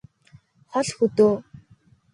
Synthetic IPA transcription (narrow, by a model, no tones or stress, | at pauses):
χɔɮxɵt̪oː